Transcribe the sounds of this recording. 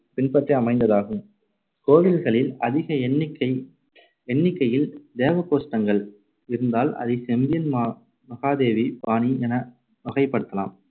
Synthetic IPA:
pɪnpɐʈriɐmɐɪnd̪ɐðaːɣɯm | koːʋɪlɣɐɭɪlɐðɪɣɐnːkːɐɪ | ɛɳːɪkːɐjɪld̪eːʋɐkoːsʈːɐŋɡɐɭ | ɪɾɯnd̪aːlʔɐ̰ðɐɪsɛmʋɪjɐnma | mɐɣaːðeːʋibaːniɛnɐ | mɐɣɐɪpːɐɽɯt̪ːɐla̰ːm

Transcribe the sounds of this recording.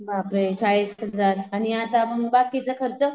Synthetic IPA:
bapɾet͡ɕʰaɭisɦəd͡zaɾaniat̪aməŋɡbakːit͡səkʰəɾt͡sə

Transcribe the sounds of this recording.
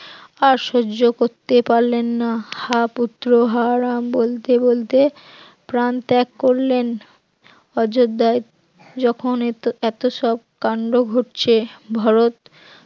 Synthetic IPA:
aɾʃod͡ʑokoɾt̪epaɾlenːahaput̪ːɾoɦaɾambolt̪ebolt̪e | pɾant̪ɛkːoɾlen | ɔd͡ʑod̪ːae | d͡ʑɔkʰonɛt̪oʃɔb̚kaɳɖoɡʱoʈt͡ɕʰebʱaɾot̪

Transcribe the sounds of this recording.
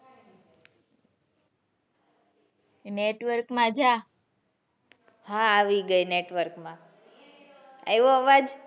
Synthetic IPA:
neʈʋəɾkmãd͡ʒʱa | hãːʋiɡəineʈʋəɾkmã | a̰eʋoɦəʋad͡ʒ

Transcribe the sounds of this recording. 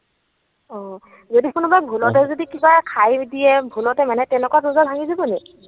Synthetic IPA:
ɔ̃ | zodikʊnʊbajbʱulɔtɛzodikibakʰajdijɛbʱulɔtɛmanɛtɛwnɛkɔwazuzabʱaŋizibɔnɛ

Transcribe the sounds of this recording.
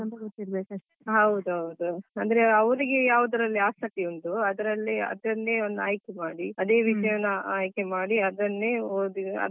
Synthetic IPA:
ɐnd̪ɐɡot̪ːiɾɐbeːkɐeɦɐwd̪uɦɐwd̪uɐnd̪ɐɾeɐʋɐɾiɡejaːʋud̪ɐɾɐlːiaːsɐkːiunt̪uɐd̪ɐɾɐlːiɐ̰d̪ɐnːe̞ːond̪a̰ːjkemaːɽiɐd̪e̞ːʋiʂɐjɐnːɐaːjkemaːɽiɐd̪ɐnːeːoːd̪iɐ̰

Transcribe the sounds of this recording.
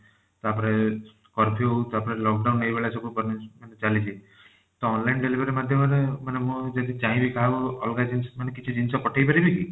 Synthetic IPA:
t̪apɔɾe | kɔɾpʰiot̪apɔɾelɔk̚ɖaunːejbeɭasɔkũpɔɾnemanet͡ʃalit͡ʃʰi | t̪ɔɔnlainɖeliʋəɾemad̪ʱjɔməɾemanemũd͡ʒat̪it͡ʃãĩbʱikaɦoɔlɡad͡ʒinsmanekit͡ʃʰid͡ʒinsɔpɔʈʰajpəɾibiki

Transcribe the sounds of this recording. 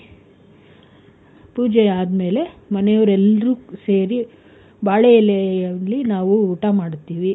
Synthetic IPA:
puːd͡ʒɛaːd̪me̞ːle̞mɐnɛjɐʋɐɾɛlːɐɾuse̞ːɾi | baːɭeɛlɛɐlːinaːʋuuːʈamaːɽt̪ːiːʋi

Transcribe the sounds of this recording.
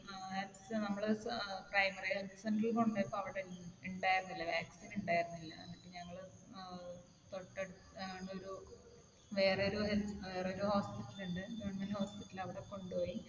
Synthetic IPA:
ɐsnɐmːɐɭɨprɐjmɐreɐŋɡisɐndrɐɭkoɳɖajpːoːmɐʋiɽeiɳɖaːjɾunːilːɐʋaːksiːnuɳɖaːjiɾunːilːɐ̰ɐ̰nɐkːeɲɐŋːɐɭ | t̪oʈːeɽ | ɳɖoɾu | ʋe̞ːreoɾueʋe̞ːreoɾuhoːspitːɐluɳɖɨeɳmɐlhoːspitːɐlɐʋiɽekːo̞ɳɖupo̞ːji

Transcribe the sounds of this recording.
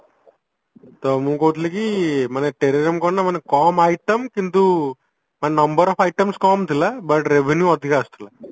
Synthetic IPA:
t̪omũːkoʋt̪̬likimɐnɐʈeɾeɾiɐmkɔnːɐmɐnɐkkaːmajʈɐmkint̪u | mɐnnɐmbɐɾɔfɐjʈɐmskaːmt̪ilabɐʈɾeʋʱenjuɐd̪ʱiɡaːɐst̪ula

